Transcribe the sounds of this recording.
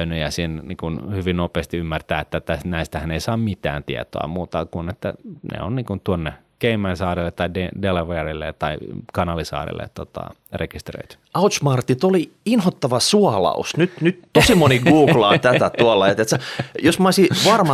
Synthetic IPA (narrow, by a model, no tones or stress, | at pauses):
ynyjɑsiːnniːŋkunhyʋinnopeːst̪iymːært̪æːet̪ːæt̪æsnæist̪æhæneisɑːmmit̪æ̰ːnt̪iɛ̰t̪o̰ɑ̰muːt̪ɑkunet̪ːæ̰nḛonniːŋkunt̪uonːe | keimænsɑːrilːet̪ːɑidedeleʋerilːḛt̪ɑikɑnɑlisɑ̰ːrḭlːḛt̪tːot̪ɑ̰ | rekist̪rø̰it̪y̥ɑut̪smɑrt̪it̪oliinhot̪ːɑʋɑsuɑlɑ̰usnyt̪nyt̪t̪osimoniɡuːɡ̥lɑːt̪æt̪æt̪uɑlːɑet̪et̪sæjosmɑisiʋɑrmɑ